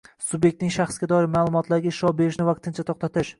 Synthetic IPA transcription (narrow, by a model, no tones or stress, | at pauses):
sʊbje̞k̚ʲt̪nɪŋʃaχsɡʲad̪ɒɪɾmaːlˠʊmɒt̪ʰlaɾɡʲaɪʃɒbe̞ɾɪʃnɪvaq̚t̪ʰɪnt͡ʃʰat̪ʰoqt̪ʰat̪ʰɪʃ